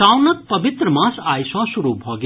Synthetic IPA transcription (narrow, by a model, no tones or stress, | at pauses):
awnʌk̪̚pʌbit̪ɾəmãsajsʌ̃suɾubʱɔɡ